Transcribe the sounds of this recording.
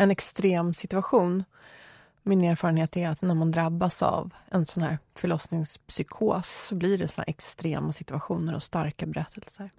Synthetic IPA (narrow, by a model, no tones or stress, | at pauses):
ɛnɛkst̪ɾeːmsɪt̪ɵaɧuːn | mɪneːɾfɑːɾənheːt̪æɾat̪næɾmand̪ɾabːasa̰vɛnsɔnhæ̰ːɾfœɭɔsnɪŋspsʏkʰoːsːɔblɪɖɛsɔna̰ɾʔɛkst̪ɾeːmasɪt̪ɵaɧuːnəɾɔ̰st̪aɾkabɛɾɛt̪ʰːɛlsəɾ